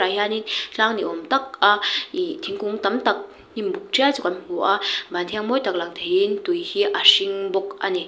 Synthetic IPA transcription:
ahjaninɬaːŋniʔomt̪ak̚ait̪ʰiŋkuŋt̪amt̪ak̚ | nimbuk̚ʈ͡ʂit͡sukamiŋoʔabant̪ʰiŋmojt̪ak̚laŋt̪ʰeint̪ujhiʔaʂiŋbɔkʔa̰ni

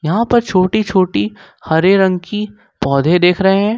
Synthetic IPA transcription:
jɐɦãpɐɾt͡ʃʰoːʈit͡ʃʰoːʈi | hɐɾeɾɐ̃ŋɡki | pɔːd̪ʱẽd̪eːkʰɾɐɦeɦɛ̃ː

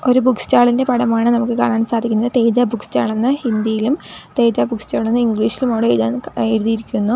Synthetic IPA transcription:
o̞ɾubukst͡ɕaːɭindepɐɽɐmaːɳɨnɐmukːɨkaːnaːnsaːd̪ʱikʲːunːɐðɨt̪e̞ːd͡ʑaːbʱukst͡ɕaːɭenːɨhind̪ijilumt̪e̞ːd͡ʑaːbukst͡ɕaːɭenːɨiŋɡɭiːʂilumoːɽɨeneɾuðiiɾikʲːunːu

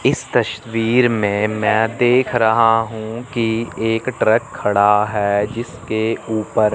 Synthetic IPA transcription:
ɪst̪ɐʃt̪ʋiːɾmẽmɛ̃ːd̪eːkʰɾɐɦaɦũːkieːkʈɾəkʰːɐɽaɦɛːd͡ʒɪskeuːpəɾ

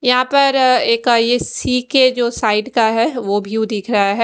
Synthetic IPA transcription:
jɐɦãpɐɾeːkjesiːked͡ʒoːsaːɪɖkaɦɛʋobʱid̪iːkʰɾɐɦaɦɛ

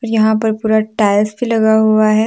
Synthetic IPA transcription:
ɔːɾjɐɦãpɐɾpuːɾaʈaːɪlsbʱilɐɡaɦuaɦɛː

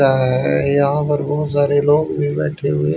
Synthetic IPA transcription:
aɦɛjɐɦãpɐɾbɔːt̪saːɾeloːɡbʱibɛ̰ːʈʰeɦʊe

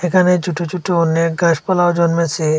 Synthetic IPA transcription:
ekʰaned͡ʑuʈot͡ʃuʈoonːeɡaʃpɔlaod͡ʒɔnmet͡ʃʰe

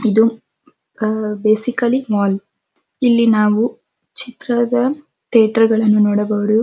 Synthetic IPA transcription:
id̪u | beːsikɐlimaːl | ilːinaːʋu | t͡ʃit̪ɾɐd̪ɐ | t̪eːʈɐɾɡɐɭɐnːunoːɽɐʋɐʋɐɾu

